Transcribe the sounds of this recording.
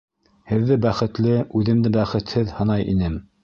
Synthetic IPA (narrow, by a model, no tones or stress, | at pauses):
hɘ̆ðːɘbæχɘ̆t̪lɘʉðɘ̆md̪ɘbæχɘ̆t̪hɘðhɤ̆nɑjʔḭnɘm